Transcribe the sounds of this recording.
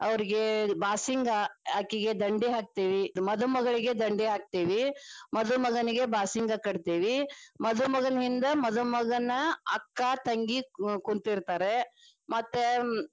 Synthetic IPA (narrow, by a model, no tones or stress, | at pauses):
ɐʋɐɾiɡe̞baːsiŋɡɐaːkːiɡe̞d̪ɐɳɖiɦaːk̚t̪iːʋimɐd̪umɐɡɐɭiɡe̞d̪ɐɳɖiɦaːk̚t̪iːʋimɐd̪umɐɡɐniɡe̞baːsiŋɡɐkɐɽt̪iːʋimɐd̪umɐɡɐnɐɦind̪ɐmɐd̪umɐɡɐnːɐɐ̰kːat̪ɐŋɡikuɳt̪iɾt̪aːɾe̞ | mɐt̪ːe